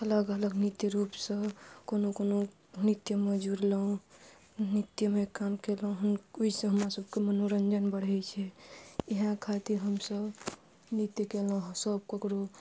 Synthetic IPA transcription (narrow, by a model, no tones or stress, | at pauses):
ələɡələɡnit̪jəɾupsə̃konokono | nit̪jəmed͡ʒuɾlõ | nit̪jəmekamkelũɦənuid͡ʒsẽɦəmɾasəb̚ʱkemənoɾənd͡ʒənbəɽ̤ɛt͡ʃʰɛiɦãkʰat̪iɾɦəmsəb | nit̪jəkelũɦsəb̚kəkɾo